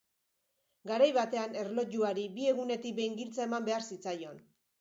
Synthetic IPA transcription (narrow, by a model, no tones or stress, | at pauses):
ɡaɾajβat̪e̞ane̞ɾlo̞ʝuaɾibie̞ɣune̞t̪ikbe̞jŋɡilt͡sae̞mambe̞aɾsit͡sajo̞n